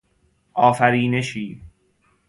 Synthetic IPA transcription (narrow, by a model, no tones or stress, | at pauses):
ʔɒːfæɾiːne̞ʃiː